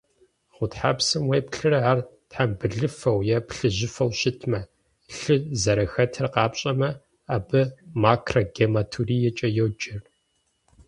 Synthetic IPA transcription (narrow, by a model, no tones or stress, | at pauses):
ʁʷʊtħa̰ːpsɨmweːpɬɨrɐaːrtħambɨɮɨfɐwjɛpɬɨʑɪfɐwʃɪtʰmɐ | ɬɨzɐɾɐxɐtʰɐrqɑːpɕʼɐmɐ | aːbɨmaːkʰrɐɡeːmatʰuriːjɛt͡ʃʼɐjɛwd͡ʒɪr